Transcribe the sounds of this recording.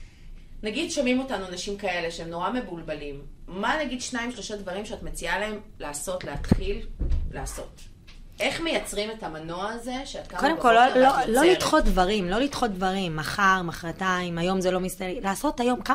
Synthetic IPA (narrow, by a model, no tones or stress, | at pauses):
naɡidʃomimo̞tanuanaʃimkae̞le̞ʃeemno̞ʁame̞bulbalimːanaɡid̪ʃnaimʃlo̞ʃadvɐʁimʃeatmet͡sialae̞m | laːso̞tleat̪χilleaso̞t | ʔe̞χme̞jat͡sʁimetamanoaːze̞ʃeat̚kakodemkolololo̞lit̪χo̞t̚dvaʁimlo̞lit̪χo̞t̚dvaʁimːaχaʁmaχʁataimajo̞mzelo̞mist̪alaːso̞tajo̞mka